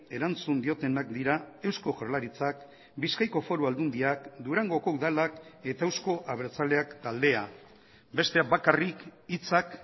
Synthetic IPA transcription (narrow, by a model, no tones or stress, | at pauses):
e̞ɾant͡sund̪io̞t̪e̞nakd̪iɾae̞wsko̞xoɾlaɾit͡sak | biskajko̞fo̞ɾuald̪und̪iakd̪uɾaŋɡo̞ko̞uðalake̞t̪aewsko̞ʔaβ̞e̞ɾt͡sale̞akt̪ald̪e̞a | be̞st̪e̞abakarikit͡sak